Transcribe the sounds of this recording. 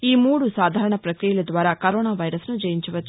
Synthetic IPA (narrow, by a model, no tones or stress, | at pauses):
iːmuːɽusaːd̪ʱaːɾɐɳɐpɾɐkɾijɐlɐd̪ʋaːɾaːkɐɾɔːnaːʋɐjɾɐsnud͡ʒɐjiɲt͡ʃɐʋɐt͡ʃː